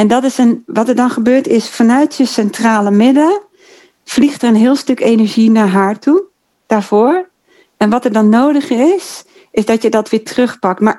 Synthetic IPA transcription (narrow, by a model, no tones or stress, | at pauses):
ɛndɔtɪsənʋɔtəɹdɔnχəbøːɹtɪsfanœɥtjəsɛntraːləmɪdlə | flixtərənɦɪːlˠstøkeːnəɹʒinaːɹɦaːɹtu | d̥aːɹvoːɹ | ɛnʋɔtəɹdɔnːoːdəχəɪs | ɪsdɔtjədɔtʋɪːtʰrøχpɑk̚tmaɹ